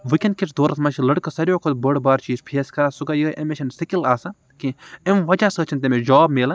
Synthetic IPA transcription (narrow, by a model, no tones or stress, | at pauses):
ʋikʲɐn̚kʲiʈʰd̪oːɾɐt̪ʰmɐʃʰilɐɽkɐsɐɾjoːkʰot̪bəɽbaːɾt͡ʃiːzpʰeːskɐɾaːsuɡajəːʔɐmet͡ʃʰɐnsɐkilaːsɐ | kiemʋɐd͡ʒaːsəːt͡ʃʰɐnt̪̬emed͡ʒɔːbmeːlɐ